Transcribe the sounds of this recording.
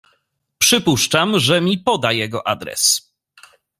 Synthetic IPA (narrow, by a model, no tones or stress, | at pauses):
pʂɘpuʂt͡ʂamʐɛmʲipɔd̪ajɛɡɔʔad̪ɾɛ̰s